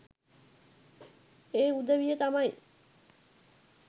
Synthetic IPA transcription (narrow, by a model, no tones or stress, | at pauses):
eːud̪əʋijət̪amaj